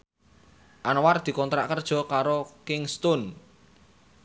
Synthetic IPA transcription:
ʔanward̪̥i̤kɔnt̪ɾa̰ʔkərd̥ʒ̥ɔ̤kaɾokɪŋst̪ʊn

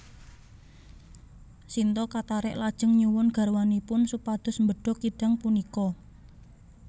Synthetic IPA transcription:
sint̪ɔkat̪aɾɪ̰ʔlad̥ʒ̥ə̤ŋɲuwʊnɡ̥a̤rwanipʊnsupad̪̥ʊ̤smbəɖ̥ɔ̤kiɖ̥a̤ŋpunikɔ

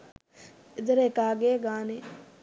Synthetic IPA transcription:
ɪd̪ɾeːkaːɡeːɡaːneː

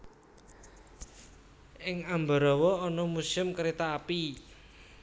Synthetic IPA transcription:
ʔɪŋambaɾɔwɔːnɔmusɪmkəɾet̪aːpi

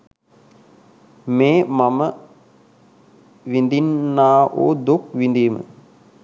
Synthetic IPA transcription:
meːmamə | ʋind̪inːaːʔo̰ːd̪ukʋind̪iːmə̰

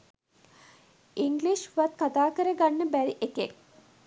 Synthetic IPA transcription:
iŋɡliʃʋat̪̚kat̪aːkəɾəɡanːəbæɾiʔekḛk̚

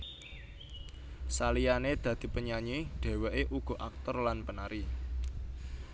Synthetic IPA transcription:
salijaned̪̥ä̤d̪̥i̤pəɲaɲeɖ̥e̤weʔeʔuɡ̥o̤ʔak̚t̪ɔrlanpənaɾi

